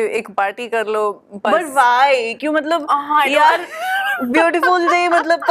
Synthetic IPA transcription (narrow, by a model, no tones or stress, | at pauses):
eːkpaːɾʈiːkɐɾlobɐʈʋajkjũmət̪ləbɦãjaːɾbjuːʈifult̪emɐt̪ləb̚k